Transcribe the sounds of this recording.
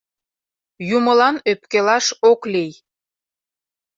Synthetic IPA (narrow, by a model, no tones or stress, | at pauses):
juməlɑnøpkelɑʃoklej